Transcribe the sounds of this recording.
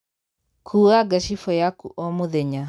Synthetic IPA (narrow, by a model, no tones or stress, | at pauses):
kʰuaɡaʃifɔjakuʔɔmuðɛɲa